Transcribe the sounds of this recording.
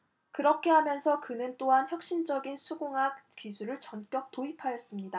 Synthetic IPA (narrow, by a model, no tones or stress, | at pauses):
kɯɾʌkʰe̞ɦamjʌnsʰʌkɯnɯnt͈oɦançjʌk̚ɕ͈ind͡ʑʌɡinsʰuɡoŋɦak̚kisʰuɾɯɭt͡ɕʌnk͈jʌk̚t͈oipʰajʌs͈ɯmɲida